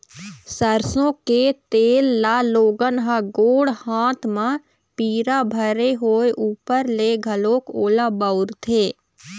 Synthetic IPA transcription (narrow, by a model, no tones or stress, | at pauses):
səɾsõket̪eːlːaːloːɡənɦəɡoːɽhãːt̪ʰmã | piːɾabʱəɾeɦoːeʔuːpəɾleɡʱəloːkoːlabəʊɾt̪ʰeː